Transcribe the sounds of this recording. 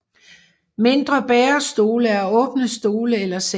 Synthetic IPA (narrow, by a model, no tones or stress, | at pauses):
me̝nd̥ʁɐb̥ɛːɐsd̥o̝ːləæɐɔ̽ːb̥nəsd̥o̝ːləelɐse